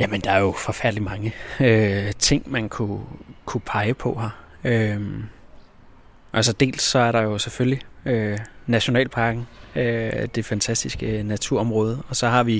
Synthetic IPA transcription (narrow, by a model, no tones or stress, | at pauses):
jæmənd̥ɑ̈æɐjo̝fɒ̽fæɐ̰d̥limɑ̈ŋəøt͡sʰe̝ŋ̰mænkʰukʰupʰɑ̈ɪəpʰɒ̽ɦɑ | øm | ʔælsɒd̥e̝̰ːlsːɒ̽æɐɾɑ̈jo̝seføljiønæɕo̝nɛ̰ːlpʰɑ̈ːɡ̥n̩ød̥e̝fænt͡sʰæsd̥isɡ̥ənæt͡sʰuɐ̰ɒ̽mʁɔːð̞ˠɒ̽sɒ̽hɑ̈ʋi